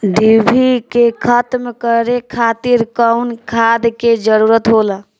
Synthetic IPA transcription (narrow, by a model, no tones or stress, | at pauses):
ɖibʱikekʰət̪mekəɾekʰat̪iɾkəwnkʰad̪ked͡ʒəɾuɾət̪ɦolə